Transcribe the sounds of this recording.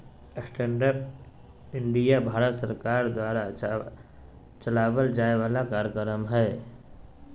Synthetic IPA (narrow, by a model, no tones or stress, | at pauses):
əsʈʰɛːɳɖəɾp̚ | ɪɳɖijabʱaːɾət̪səɾkaːɾd̪waːɾa | t͡ʃəlaːwəld͡ʒaːeʋaːlakaːɾjəkəɾəmɦɛː